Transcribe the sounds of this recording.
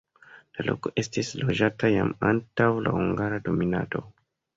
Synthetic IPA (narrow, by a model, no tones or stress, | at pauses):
lalo̞̰ko̞ʔe̞stislo̞d͡ʒatajamantawla̰huŋɡaɾado̞mina̰to̞